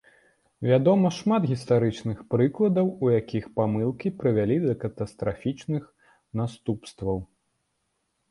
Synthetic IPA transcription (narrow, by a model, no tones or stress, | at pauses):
vʲad̪ɔmɐʂmad̪ɣʲist̪aɾɨt͡ʂnɨxpɾɨklˠɐd̪ɐwujakʲʰixpamɨlˠkʲipɾɨvʲalʲid̪ɐkɐt̪ɐst̪ɾafʲit͡ʂnɨx | nast̪upst̪vɐw